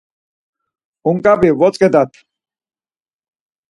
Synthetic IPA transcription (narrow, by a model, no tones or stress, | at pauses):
uŋkʼabiwɔt͡sʼqʼɛd̪at̪ʰ